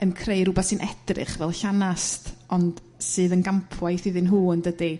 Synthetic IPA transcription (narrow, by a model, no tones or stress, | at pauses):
ənkʰrejɾʊbasɨnʔɛd̥rɨ̰χvɛlˠɬanastʰɔnd̥ | sɨːðənɡampʰwajθiðɨnɦuːndədi